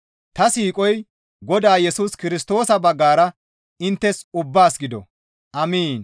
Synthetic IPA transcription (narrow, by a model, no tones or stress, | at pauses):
t̪ɐsiːkʼɔj | ɡɔd̪aːjɛsuːskɪɾɪst̪o̞ːsɐbɐɡːaːɾɐ | ɪnt̪ːɛsʊbːaːsɡɪd̪ɔ̰ | ʔɐmiːn